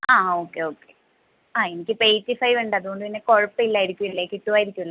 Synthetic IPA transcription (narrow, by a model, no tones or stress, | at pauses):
aːoːkːe̞o̞ːkːe | aːenikʲːɨpe̞jtːifɐjʋuɳɖɐðuɣo̞ɳɖɨpinːeko̞ɻɐpːɐilːaːjiɾikʲːumilːeːkːiʈːuʋaːjiɾikʲːumilːɐ